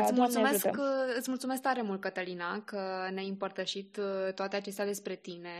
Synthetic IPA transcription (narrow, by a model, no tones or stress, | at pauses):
ɨsʲmult̪sumeskɨt̪sʲmult̪sumesk̚t̪aɾe̞mult̪̚kət̪əlinakənʲajɨmpərt̪əʃit̪t̪ːoat̪eat͡ʃe̞s̬t̪ead̪e̞spɾe̞t̪ine̞